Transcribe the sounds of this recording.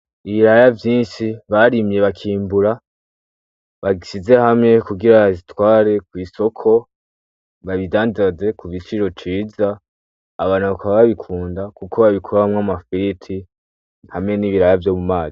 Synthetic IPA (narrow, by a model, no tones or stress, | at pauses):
iβiɾajavjiːnʃiβaɾimje̞βakʰiːmbuɾa | βaɡisize̞hamŋe̞kuɡiɾazitwaːɾe̞kwiːso̞kʰo̞ | βaβidaːndaze̞kuβit͡ʃiɾo̞t͡ʃiːzaː | βaːnhuβakaβaβaβikʰuːndakuko̞βaβikʰuɾahamŋamafiɾitʰi | hamŋe̞niːβiɾajavjo̞ːmumaːzi